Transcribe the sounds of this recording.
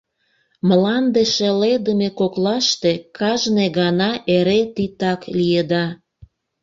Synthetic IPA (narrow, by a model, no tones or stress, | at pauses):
məlɑnd̪eʃeled̪əmekoklɑʃt̪ekɑʒneɣɑnɑʔeɾet̪it̪ɑklijed̪ɑ